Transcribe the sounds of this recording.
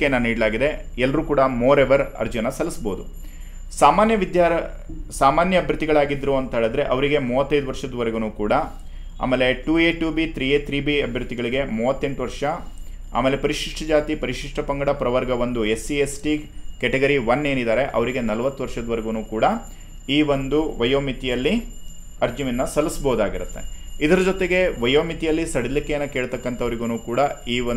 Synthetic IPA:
enːaniːɽlaːɡid̪e̞ | ɛlːɐɾuːkuːɽɐmoːɾeʋɐɾɐ̰ɾd͡ʒuɐnːɐsɐlisboːd̪ṵ | saːmaːnjɐʋid̪jaːɾ | saːmaːnjɐɐbʱjɐɾt̪ːiɡɐɭaːɡid̪ɾuɐnt̪ɐɦeːɭɐd̪ɾe̞ʔɐʋɐɾiɡe̞muːʋɐt̪ːɐjd̪uʋɐɾʂɐd̪ɐʋɐɾeɡunuːkuːɽɐ | a̰ːmeːle̞ʈuːeːʈuːbit̪ɾiːet̪ɾiːbiɐbʱjɐɾt̪iɡɐɭiɡe̞muːʋɐt̪ːeɳʈuʋɐɾʂɐ | a̰ːmeːle̞pɐɾiʂiʂʈʰɐd͡ʒaːt̪ipɐɾiʂiʂʈɐpɐŋɡɐɽɐpɾɐʋɐɾɡɐʋond̪uesiesʈikɛʈeɡɐɾiʋɐnːe̞ːnid̪aːɾe̞ʔɐ̰ʋɐɾiɡe̞nɐlɐʋɐt̪ːuʋɐɾʂɐd̪ɐʋɐɾeɡunuːkuːɽɐ | iːʋond̪uʋɐjoːmit̪ijɐlːi | ɐɾd͡ʒuminːɐsɐlːisɐbɐɦud̪aːɡiɾut̪ːe̞̰id̪ɐɾɐd͡ʒot̪eɡe̞ʋɐjoːmit̪ijɐlːisɐɽid̪likːejɐnːɐkeːɭt̪ɐkːɐnt̪ʰɐʋɐɾiɡunuːkuːɽɐiːo

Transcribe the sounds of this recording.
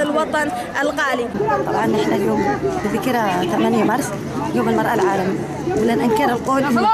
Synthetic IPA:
alwɑt̪ˤɑn | ʔalɣaːlit̪ˤɑ̰bʕɑnːɪħnaljoːmbɪðɪkɾat̪amanjamɑɾˤs | ljoːmɪlmɑɾˤʔalʕaːlam | lanʔankiɾalqoːl

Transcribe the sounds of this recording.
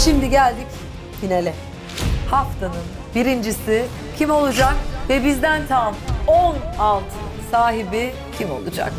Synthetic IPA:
ʃimd̪iɟælʲd̪ic | jinelʲɛ | haft̪ʰanɯn | biɾind͡ʒisɪ | cʰimo̞lˠud͡ʒak̚vɛbizd̪ænt̪ʰamonalˠt̪ʰ | saːɦibi | cʰimo̞̰lˠud͡ʒa̰k

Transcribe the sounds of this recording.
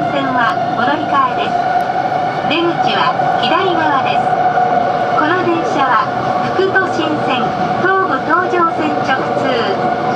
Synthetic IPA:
sẽ̞ɰ̃βa | ɡo̞noɾʲikaed̪e̞sɨ̥ | ɾe̞mɯ̟t͡ɕiβaçʲid̪aiɡaβad̪e̞sɨ̥ | ko̞no̞d̪ẽ̞ɰ̃ɕaβa | ɸɯ̟̥kɯ̟t̪o̞ɕĩɰ̃sẽ̞n | t̪oːbɯ̟t̪o̞ːʑo̞ːsẽ̞ɲt͡ɕo̞kɯ̟̥t͡sɨː

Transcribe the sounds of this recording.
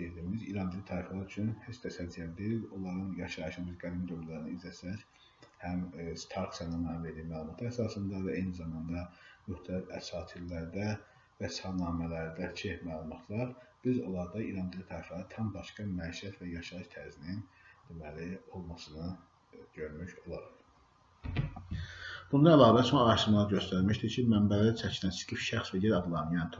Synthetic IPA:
ed̪iːmiziɾɑnd̪ilit̪ʰɑːɾiflˠɑɾyt͡ʃʰynhet͡ʃʰt̪ʰæsælzijælid̪eɾilo̞lˠɑɾɯnjɑʃɑʃbizɡælind̪omlˠɑɾɯnɯizæsæc | hæmst̪ʰɑɾksjɑnɑnɑnve̞ɾd̪iːmælˠumɑt̪ʰɯæsɑːsɯnd̪ɑvæejnizɑmɑnd̪ɑmyxt̪ʰælifæ̰sɑːt̪ʰilːæɾd̪æ | væshɑnɑːmælæɾd̪æt͡ʃʰimælˠumɑt̪ʰlˠɑɾb̥izo̞̰lˠɑɾd̪ɑiɾɑnd̪ilit̪ʰæɾɑflæɾɯt̪ʰɑmbɑʃkɑmæʃæt̪væjɑʃɑɯʃt̪ʰæɾzinind̪̥imælio̞lˠmɑsɯnɯ | ɟøɾmyço̞lˠɑɾɯχ | b̥und̪ɑælˠɑːvæt͡ʃʰonɑʃɯmlˠɑɾɟø̞st̪æɾmiʃd̪iɾcʰimæmbælæt͡ʃʰæcʰilænsɡifʃæxsvæjeɾɑɡ̪lˠɑnjɑnt̪ʰ

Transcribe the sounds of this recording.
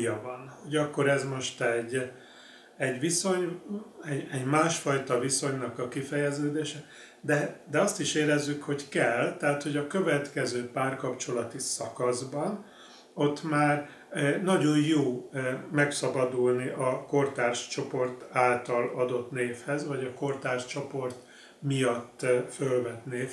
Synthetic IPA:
jɒvɒnho̞ɟɒkːo̞ɾɛzmo̞ʃt̪ɛɟː | ɛɟʋiso̞ɲɛɟɛɟmaːʃfɒjt̪ɒviso̞ɲnɒkɒkifɛjɛzøːd̪eːʃɛ | d̪ɛd̪ɛɒst̪iʃeːɾɛzːykho̞ckɛlt̪ɛɦat̪ho̞ɟɒkø̞vɛt̪kɛzøːpaːrkɒpt͡ʃo̞lɒt̪isɒkɒzbɒn | o̞t̪maːr | nɒɟo̞njoːmɛksɒbɒd̪ulniʔɒko̞rt̪aːrʃt͡ʃo̞po̞rt̪aːlt̪ɒlɒd̪o̞t̪neːfhɛzvɒɟɒko̞rt̪aːrʃt͡ʃo̞po̞rt̪ | mijɒt̪ːfølvɛt̪neːf

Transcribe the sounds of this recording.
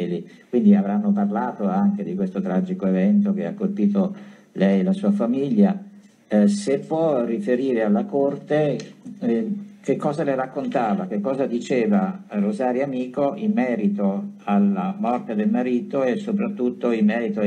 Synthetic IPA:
likwind̪iavɾanːoparlaːt̪oaŋk̟ed̪ikwest̪ot̪ɾad͡ʒikoevɛnt̪ok̟ea̰kːolpiːt̪̬o | lɛjelasuːafamiʎːa | sepːwɔrːifeɾiːɾealːakort̪e | k̟ekːɔːzalerakːont̪aːvak̟ekːɔːzad̪it͡ʃeːvarozaːɾjamiːkoimːɛːɾit̪oalːamɔrt̪ed̪elmaɾiːt̪oesːopɾat̪ːut̪ːoimmːɛːɾit̪o

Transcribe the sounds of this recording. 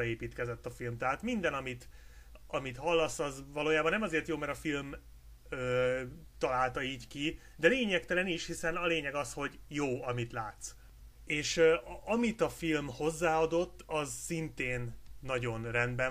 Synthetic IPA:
ɒeːpiːt̪kɛzɛt̪ːɒfilmt̪ɛɦaːt̪mind̪ɛnɒmit̪ | ɒmit̪hɒlːɒsɒzvɒloːjaːbɒnːɛmɒzeːrt̪joːmɛɾɒfilm | øːt̪ɒlaːlt̪ɒiːɟki | d̪ɛleːɲɛkt̪ɛlɛniʃhisɛnɒleːɲɛɡɒsho̞ɟjoːɒmit̪laːt̪s | eːʃøɒmit̪ɒfilmho̞zːaːɒd̪o̞t̪ːɒzsint̪eːnːɒɟo̞nrɛnd̪bɛ

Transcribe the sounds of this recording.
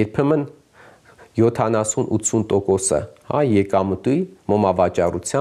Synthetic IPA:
jɛɾpʰɛmən | jɔt̪ʰɑnɑsunʔṵt̪t͡sʰːunt̪ɔkɔsə̰hɑ̰jɛkɑmət̪ujmɔmɑvɑt͡ʃɑrut͡sʰjɑ

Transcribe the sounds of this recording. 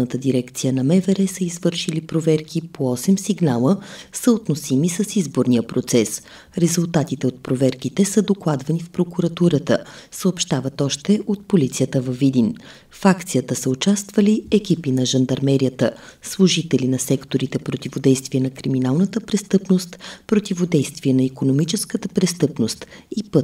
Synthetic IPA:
nət̪əd̪iɾɛkt̪sijənɐmɛvɛɾɛsəizvɤɾʃilipɾovɛɾkʰipoɔsɛmsiɡnalˠəsəot̪nosimisəsizboɾnijəpɾot̪sɛs | ɾɛzulˠt̪at̪it̪ɛot̪̚pɾovɛɾkit̪ɛsəd̪oklˠad̪vɐnifpɾokuɾɐt̪uɾət̪əsəopʃt̪avət̪ɔʃt̪ɛʔot̪̚polit̪sijət̪əvɐvid̪in | fakt̪sijət̪əsəʊt͡ʃast̪vəliɛkʲipinɐʒənd̪ɐɾmɛɾiət̪əslˠuʒit̪ɛlinɐsɛkt̪oɾit̪ɛpɾot̪ivod̪ɛjst̪viɛnɐkɾiminalˠnət̪əpɾɛst̪ɤpnost̪pɾot̪ivod̪ɛjst̪viɛnɐikonomit͡ʃɛskət̪əpɾɛst̪ɤpnost̪ipɤt̪

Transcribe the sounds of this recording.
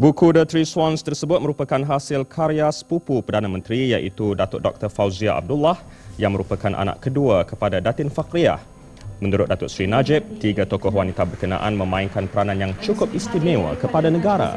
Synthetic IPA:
bukudət̪ɾiswanst̪ərsəbʊt̪̚məɾupakanɦasɪlkʰaɾiaspupupərdanamə̃nt̪ɾijaʔḭt̪udat̪ʊ̰ʔdɔk̚t̪ərfawziaʔa̰b̚dulah | jaŋməɾupakanʔa̰na̰ʔkəduakəpadadat̪ɪnfakɾia̰h | mə̃nuɾʊt̪̚dat̪ʊʔsɾinad͡ʒɪp̚t̪iɡat̪okɔhwanit̪abərkənã̰ʔanmə̃mãiŋkanpəɾanãnjaŋt͡ʃukʊpist̪inẽwa̰kəpadanəɡaɾa̰

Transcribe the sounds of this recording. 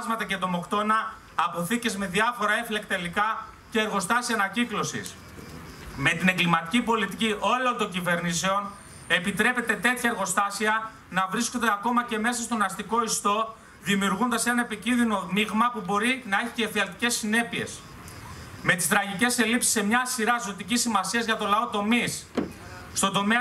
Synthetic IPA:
zmɐt̪ɐce̞t̪omo̞kt̪o̞nɐː | po̞θice̞zme̞ðiɐfo̞ɾɐe̞fle̞kt̪elikɐ | ce̞ːɾɣo̞st̪ɐsiɐnɐciklo̞sḭs | me̞t̪ine̞ŋɡlimɐt̪i̥cipo̞lit̪iciʔo̞lo̞nt̪o̞ɲɟive̞ɾniseo̞n | e̞pit̪ɾe̞pe̞t̪e̞t̪e̞t̪çɐeɾɣo̞st̪ɐsiɐ | nɐvɾisko̞nd̪eɐko̞mɐce̞me̞sɐst̪o̞nɐst̪iko̞ist̪o̞ | ðimiuɾɣund̪ɐse̞nɐne̞picinðino̞miɣmɐpubo̞ɾinɐe̞çi̥cefiɐlt̪i̥ce̞sːine̞pie̞s | me̞t̪i̥st̪ɾɐʝice̞se̞lipsi̥se̞mɲɐsiɾɐzo̞t̪icisimɐsiɐzʝɐt̪o̞lɐo̞t̪o̞mis | st̪od̪o̞me

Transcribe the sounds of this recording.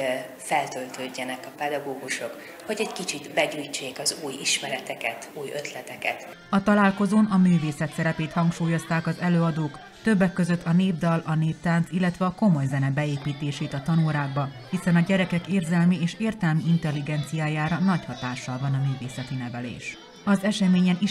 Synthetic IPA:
fɛlt̪ølt̪øːɟːɛnɛkɒpɛd̪ɒɡoːɡuʃo̞k | hoɟɛckit͡ʃit̪bɛɟuːjt͡ʃeːkɒzuːjiʃmɛɾɛt̪ɛkɛt̪uːjø̰t̪lɛt̪ɛkɛ̰t̪ | ɒt̪ɒlaːlko̞zoːnɒmyːveːsɛt̪sɛɾɛpeːt̪hɒŋkʃuːjo̞st̪aːkɒzɛløːɒd̪oːk | t̪ø̞bːɛkːø̞zø̞t̪ʰːɒneːbd̪ɒlɒneːp̚t̪aːnt̪silːɛt̪ʋɛɒko̞mo̞jzɛnɛbɛeːpiːt̪eːʃeːt̪ɒt̪ɒnuːɾaːɡ̚bɒ | hisɛnɒɟɛɾɛkɛkeːrzɛlmieːʃeːrt̪ɛlmiint̪ɛlːiɡɛnt̪sijaːjaːɾɒnɒchɒt̪aːʃːɒlvɒnɒmyːveːsɛt̪inɛvɛlḛːʃ | ɒzɛʃɛmeːɲɛni

